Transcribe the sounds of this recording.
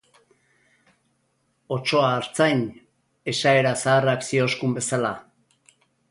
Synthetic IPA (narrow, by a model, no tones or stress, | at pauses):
o̞t͡ʃo̞aːɾt͡sajn | e̞sae̞ɾasaːreaksio̞skumbe̞sala